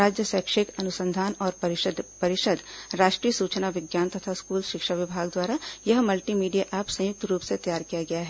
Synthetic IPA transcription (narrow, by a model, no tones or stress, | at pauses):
ɾaːd͡ʒjəsɛːkʃɪkɐnʊsə̃nd̪ʱaːnɔːɾpɐɾd̪pɐɾɪʃəd̪ɾaːʃʈɾiːəsuːt͡ʃnaʋɪɡjaːnt̪ɐt̪ʰaskuːlʃɪkʃaʋɪbʱaːɡd̪waːɾajɐɦmɐlʈiːmiːɖijaʔaːpsɐ̃jʊk̚t̪ɾuːpset̪ɐjaːɾkijaɡɐjaɦɛː